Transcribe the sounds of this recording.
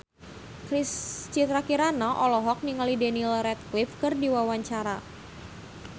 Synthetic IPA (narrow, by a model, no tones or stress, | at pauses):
kɾist͡ʃit̪ɾakiɾanaʔɔlɔɦɔk̚niŋalidɛnilrɛt̪̚klɪfkɨrdiwawaɲt͡ʃaɾa